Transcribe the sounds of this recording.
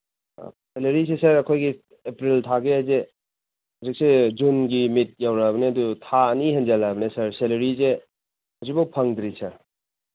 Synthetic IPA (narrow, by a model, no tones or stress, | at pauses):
seleɾisesɐɾɐkʰojɡi | epɾiltʰaɡeɐze | hɐzik̚sed͡ʒunɡimit̚jawɾabɐneɐdutʰaɐniɦɐnd͡ʒalabɐnesɐɾselɐɾize | hɐzik̚bɐwpʰɐŋd̪ɾisɐɾ